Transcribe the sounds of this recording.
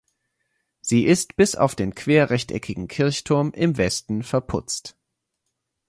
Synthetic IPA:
z̥iːʔɪstb̥ɪsa̰ʊfd̥eːnkʰv̥eːɐʁɛçtʔɛ̰kʰɪɡŋ̩kʰɪɐçtʰʊɐmʔɪmvɛstn̩fɛɐpʰʊ̰t͡st

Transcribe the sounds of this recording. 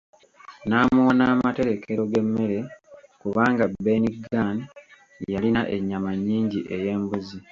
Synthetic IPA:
naːmuwanaːmate̞ɾe̞kʰe̞ɾo̞ɡe̞mːe̞ɾe̞kuβaːŋɡabe̞niɡan | jalinaʔe̞ɲːamaɲːiːɲɟiʔe̞je̞ːmbuzi

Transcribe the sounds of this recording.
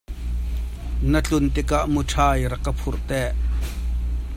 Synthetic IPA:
nɐt͡ɬʊnt̪ɪkaʔmuʈ͡ʂʰaːjɾɐkɐpʰurt̪ɛːʔ

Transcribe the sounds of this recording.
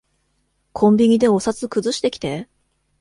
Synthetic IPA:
kʰõ̞mʲbʲiɲ̟id̪e̞o̞sat͡sɨkɯ̟zɨɕi̥t̪e̞kʲi̥t̪e̞

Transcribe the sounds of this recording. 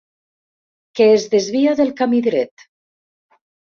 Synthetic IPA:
keːzðezβiaðelˠkamiðɾɛt̪

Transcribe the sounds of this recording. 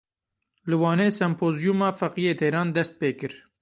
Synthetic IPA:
lɨwɑːneːsɛmpʰoːzjumɑːfɛqijeːt̪ʰɛːɾɑːnd̪ɛst̪̚peːkɨɾ

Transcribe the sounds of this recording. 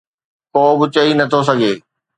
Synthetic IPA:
koːbɪt͡ɕɐɦinɐt̪ʰos̬ɐɡʱeː

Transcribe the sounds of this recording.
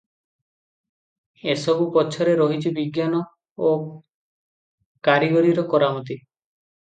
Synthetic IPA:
esɔbupɔt͡ʃʰɔɾeɾɔɦit͡ʃʰibiɡjanɔ | o | kaɾiɡɔɾiɾɔkɔɾamɔt̪i

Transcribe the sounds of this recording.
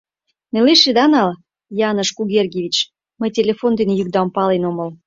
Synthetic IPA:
neleʃed̪ɑnɑl | jɑnəʃkuɣʲerɡʲeβʲit͡ɕ | məjtʲelʲefond̪enĕjyk̚d̪ɑmpɑlenoməl

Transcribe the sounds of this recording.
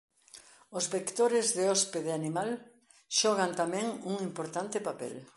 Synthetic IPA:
ʊzβekt̪oɾɪzðeɔspeðeanimal | ʃɔɣant̪amɛ̃ŋuŋimpoɾt̪ant̪ɪpapɛ̰l

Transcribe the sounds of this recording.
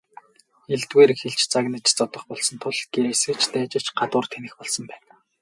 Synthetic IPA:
eɮt̪ɣeːɾxeɮt͡ɕt͡saɣnə̆t͡ɕt͡sɔt̪ɞ̆χpɔɮsɞ̆nt̪ʰʊɮɡ̥eɾesɘ̆kt͡ɕt̪æːt͡ɕɪ̆t͡ɕɢat̪ʊːrt̪ʰenɘ̆xpɔɮsɞ̆mpæːn

